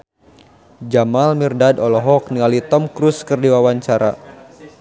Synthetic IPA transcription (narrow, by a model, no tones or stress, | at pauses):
d͡ʒamalmirdadɔlɔɦɔk̚nialit̪ɔmkɾuskərdiwawaɲt͡ʃaɾa̰